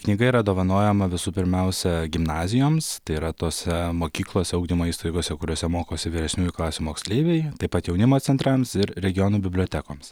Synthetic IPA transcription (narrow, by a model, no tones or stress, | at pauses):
knʲiːɡɐiɾɐd̪oːʋɐnoːjɛmɐʋʲɪsuːpʲɪɾʲmʲɛʊsʲɛɡʲɪmnɑːzʲɪjoːmst̪ɐɪiɾɐt̪oːsʲɛmoːkʲiːklˠoːsʲɛɐʊɡd̪ʲiːmoːiːst̪ɐɪɡoːsʲɛkʊɾʲoːsʲɛmoːkoːsʲɪʋʲiɾʲɛsʲnʲuːjuklˠɑːsʲumoːksʲlʲeːʋʲɛɪt̪ɐɪpɐt̪jɛʊnʲɪmoːsʲɛnt̪ɾɐmsɪɾɾʲɛɡʲɪjoːnuːbʲɪbʲlʲoːt̪ʲɛkoːms